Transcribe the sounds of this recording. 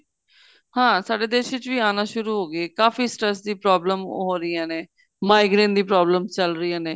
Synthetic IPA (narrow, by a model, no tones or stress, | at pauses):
hãːsaːɖeːd̪eːʃʋɪt͡ʃʋiːaːnãːʃʊɾuːɦoːɡeːkaːfiːsʈɾɛsd̪iːpɾaːbləmɦoːɾɪjãːneː | maːɪɡɾẽːnd̪iːpɾaːbləmt͡ʃəlɾɪijãːneː